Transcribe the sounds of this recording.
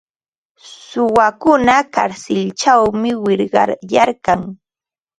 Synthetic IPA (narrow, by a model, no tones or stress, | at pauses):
sʊwakʊnaka̰ɾsɪlt͡ʃawmɪwɪɾɢɑ̰jaɾkaŋ